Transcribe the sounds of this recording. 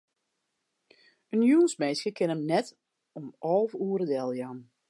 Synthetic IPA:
ənjuːnsmɛːsjəkʰɪnəmnɛt | ɔmʔɔlˠfuːəɾədɛlˠjan

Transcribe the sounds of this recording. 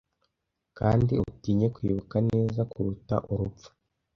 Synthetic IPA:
kaːndiuutiːɲe̞kwiːβukaneːzakuɾuta̰ʔuɾupp͡fu̥

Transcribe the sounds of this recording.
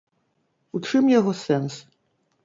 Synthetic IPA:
ut͡ʂɨmjaɣɔsɛns

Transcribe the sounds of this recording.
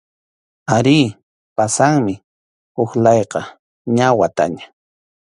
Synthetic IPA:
aɾɪː | pasaŋmɪ | ʊxlɑjqɑ | ɲawat̪a̰ɲḁ

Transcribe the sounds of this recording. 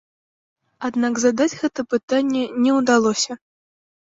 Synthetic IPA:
ad̪naɡzad̪ad͡zʲɣɛt̪ɐpɨt̪anʲːɛnʲɛwd̪alˠɔsʲɐ

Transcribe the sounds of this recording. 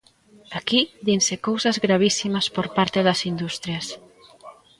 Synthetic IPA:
akiðinsekowsɐzɣɾaβ̞isimɐspoɾpaɾt̪eðɐsind̪ust̪ɾjɐs

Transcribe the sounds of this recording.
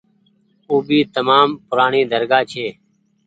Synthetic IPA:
uːbiːt̪əmaːmpʊɾaːɳĩːd̪ʱəɾɡaːt͡ʃʰeː

